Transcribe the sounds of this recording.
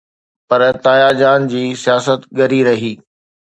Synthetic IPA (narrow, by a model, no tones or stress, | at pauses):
pɐɾt̪aːjad͡ʑaːnd͡ʑiːsijaːsət̪ɠɐɾiɾɐɦiː